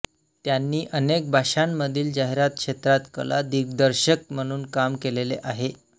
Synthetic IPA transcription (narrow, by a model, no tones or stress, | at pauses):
t̪janːiːʔənek̚bʱaɕamːəd̪ʱiːld͡ʑaɦeɾat̪̚kʂet̪ɾat̪kə̰la̰d̪iɡd̪əɾɕək̚m̤əɽ̃uːnkamkelelḛʔaɦe